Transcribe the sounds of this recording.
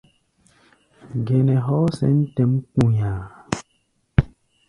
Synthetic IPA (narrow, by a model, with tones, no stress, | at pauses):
ɡɛ˨nɛ̃˨ɦɔ˦sɛ̰˦n̩˦tɛ˨˦mkũ˦˨ɲa˨